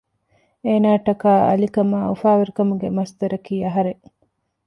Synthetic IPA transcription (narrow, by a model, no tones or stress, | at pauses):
eːnaːʈɐkaːɐ̰likɐmaːufaːʋɐɾukɐmuɡemɐst̪ɐɾɐkiːɐɦɐɾe